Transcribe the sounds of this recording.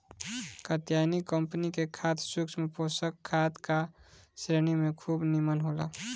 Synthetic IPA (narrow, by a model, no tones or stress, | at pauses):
kət̪janikəmpənikekʰat̪ʰsuksmeposəkʰːat̪kasɾeñimẽkʰubnimənɦola̰